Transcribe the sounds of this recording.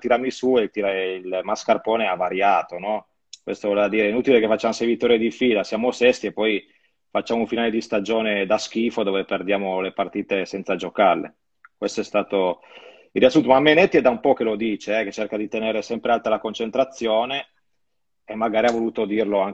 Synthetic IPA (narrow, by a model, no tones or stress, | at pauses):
t̪iɾamisuet̪iɾailmaskarpɔːneavaɾjaːt̪onɔ | kwḛst̪ovɔlevad̪iːɾeɛinut̪ilekefat͡ʃːaːmosejvit̪ːɔːɾjed̪ifiːlasjaːmosɛst̪iepːɔj | fat͡ʃːaːmouɱfinaːled̪ist̪ad͡ʒoːned̪ask̟iːfod̪oːveperd̪jaːmolepart̪iːt̪esɛnt̪sad͡ʒokarlḛ | kwest̪oɛst̪aːt̪o | ilrːiasunt̪omamːenɛt̪ːiɛd̪aumpɔk̟elod̪iːt͡ʃeɛket͡ʃːerkad̪it̪eneːɾesɛmpɾealt̪alakont͡ʃent̪ɾat̪sːjoːneː | mːaɡaːɾiavoluːt̪od̪iːrloaŋ